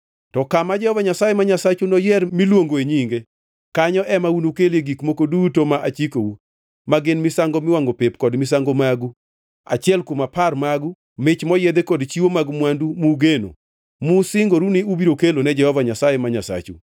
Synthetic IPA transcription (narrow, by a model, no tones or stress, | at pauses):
tɔkamad͡ʒɛhɔvaɲasajɛmaɲasat͡ʃunɔjɛrmilwoŋɡoeɲiŋɡe | kaɲɔʔɛmaunukeleɡikmokodutomaʔat͡ʃikowu | maɡɪnmɪsaŋɡomɪwaŋɡopepkɔdmɪs̬aŋɡomaɡu | a̰t͡ʃɪɛlkomaparmaɡu | mɪt͡ʃmɔjed̪ekɔdt͡ʃiwomaɡmwandumuɡeno̰ | musɪŋɡoɾuniubiɾokelonɛd͡ʒɛhɔvaɲasajemaɲasa̰t͡ʃṵ